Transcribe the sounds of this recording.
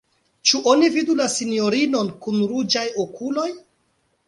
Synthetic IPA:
t͡ʃuʔonividulasinjo̞ɾino̞nkunɾud͡ʒajokʰulo̞j

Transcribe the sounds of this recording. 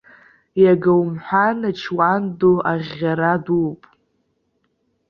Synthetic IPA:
jaɡawmħʷᶣanat͡ʃʰwandoʔaʁʲːaɾadupʼ

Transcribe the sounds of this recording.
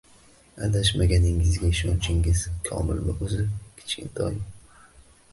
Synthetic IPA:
a̰d̪aʃmaɡʲanɪŋɪzɡʲaɪʃɒnt͡ʃʰɪŋɪz̥kʰɒ̰mɪ̰lmɪʔɵzɪkʲʰɪ̥t͡ʃkʲɪ̰nt̪ʰɒ̰j

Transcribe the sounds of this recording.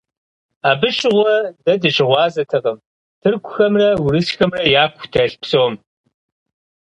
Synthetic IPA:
aːbɨɕʼɪʁʷɔdɐdɨɕɪʁʷɑːzɐtʰɐqɐm | tʰɨrkʷʰʊxɐmrɐwʊɾɨsxɐmrɐjaːkʷʰtʰɐɬpsowɔm

